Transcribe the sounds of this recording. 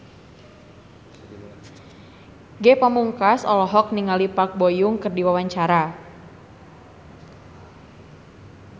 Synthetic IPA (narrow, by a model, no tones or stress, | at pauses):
ɡɛpəmuŋkasɔ̰lɔɦɔk̚niŋalipak̚bojʊŋkərdiwawaɲt͡ʃaɾa